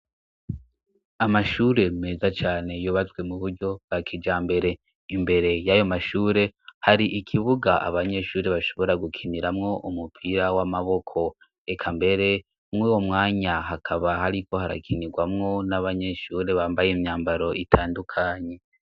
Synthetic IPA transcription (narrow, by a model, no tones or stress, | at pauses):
amaʃuɾe̞me̞ːzat͡ʃaːne̞joβat͡sɡwe̞muβuɾɟo̞b̥ɡakʰid͡ʒaːmbe̞ɾe̞ | imbe̞ɾe̞jajo̞maʃuːɾe̞haɾiʔikʰiβuɡaʔa̰βaɲe̞ʃuːɾe̞βaʃo̞̥βo̞ɾaɡukʰiniɾamŋo̞ʔumupʰiɾawamaβo̞kʰo̞ | ekʰambe̞ɾe̞ | mŋiːwo̞mŋaːɲaɦakʰaβahaɾiko̞haɾa̰kʰiniɡwamŋo̞naβaɲe̞ʃuːɾe̞βaːmbajemɲaːmbaɾo̞ʔitʰaːndukʰaːɲe̞